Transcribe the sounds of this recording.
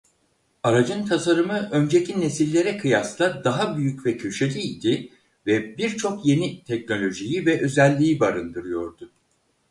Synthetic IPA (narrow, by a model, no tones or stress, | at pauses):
aɾad͡ʒɯnt̪ʰasaɾɯmɯʔø̞nd͡ʒe̞cʰine̞silʲːe̞ɾɛkʰɯjaslˠad̪aɦabyjycvɛcʰøʃelʲiijd̪ɪ | vɛbiɾt͡ʃʰo̞kje̞nit̪ʰɛcno̞lʲo̞ʒijivɛʔø̞zɛlʲːiːibaɾɯnd̪ɯɾɯjo̞ɾd̪ʊ